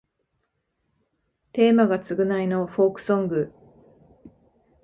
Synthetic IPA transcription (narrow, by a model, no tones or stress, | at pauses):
t̪e̞ːmaɡat͡sɨɡɯ̟naino̞ɸo̞ːkɯ̟̥sõ̞ŋɡɯ̟